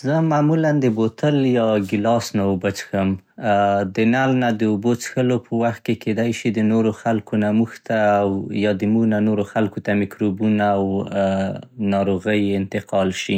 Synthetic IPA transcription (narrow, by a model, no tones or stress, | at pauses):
zəmamuland̪əbot̪əljɑɡɪlɑsnaubət͡ʃxəm | d̪ənalnad̪əubot͡sxəlopʰəwaxt̪̚kekʰed̪ajʃid̪ənoɾoxalkonamuxt̪aːwjɑd̪əmuɣnanoɾoxalkot̪amɪkɾobunaːw | nɑɾoɣəjɪnt̪ɪqʰɑlʃi